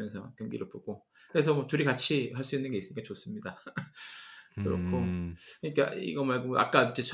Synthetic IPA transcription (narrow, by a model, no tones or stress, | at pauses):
jʌnsʰʌkjʌŋɡḭɾɯɭpoɡ̥o | kɯɾe̞s̬ʰʌmwʌtuɾikat͡ɕʰiɦaɭs͈uinːɯnɡe̞is͈ɯmikat͡ɕos͈ɯmɲida | kɯɾʌ̰kʰokɯɲik͈a̰ḭɡʌmaɭɡoʔa̰k̚k͈ad͡ʑet͡ɕʰ